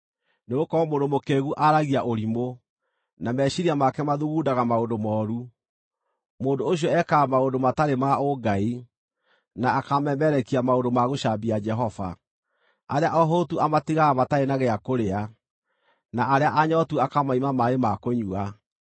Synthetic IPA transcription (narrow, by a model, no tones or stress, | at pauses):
neɣokɔmondomokeɣuʔaɾaɣiaʔoɾimo | namɛɕiɾiamakɛmaðuɣuːdaɣamaondomɔːɾu | moːndooɕ̬jɔɛkaːmaondomataɾemaoɡai | naːkamɛmɛɾɛkiamaondomaɣoɕabiad͡ʒɛɦɔva̰ | aɾeaʔɔɦotuamatiɣaːmataenaɣɛakoɾea | naʔaɾeaʔaɲɔtuakamaimamaemakoɲua